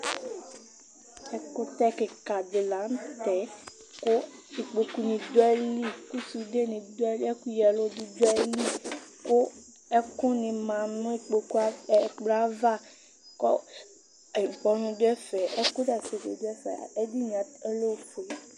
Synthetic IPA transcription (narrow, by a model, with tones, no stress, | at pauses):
ɛ˨ko˦t̪ɛ˦ke˨ka˨d̪e˨la˨˦n˦t̪ɛ˨˦ | ko˦i˨k͡pe˨ku˦nĩ˨d̪o˦ɛ˦li˦ku˦su˨de˦nĩ˨d̪ɛ˦le˦ku˦jɛ˨lo˦du˦d͡ʒo˦ɛ˦li˦ko˦ | ɛ˦kʊ̃˦nĩ˨mã˨nũ˦e˦˨k͡pe˨ku˦a˦˨ɡ͡bla˦va˦˨ | kɔ˦˨ | bɔ˨nũ˨do˦ɛ˦fɛ˨e˦ko˦da˨se˨dḛ˨do˦ɛ˦fɛ̰˨e˦di˦ɲ˨ã˨e˦lo˦˨fo˨